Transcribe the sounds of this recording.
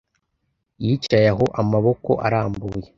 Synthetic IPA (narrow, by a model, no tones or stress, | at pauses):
jit͡ʃajaɦo̞ʔamaβo̞ko̞̰ʔa̰ɾaːmbuːje